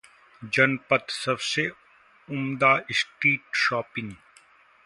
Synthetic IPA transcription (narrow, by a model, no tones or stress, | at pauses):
d͡ʒɐnpət̪sɐbse | ʊmd̪aːɪsʈiːʈʃɔːpɪ̃ŋɡ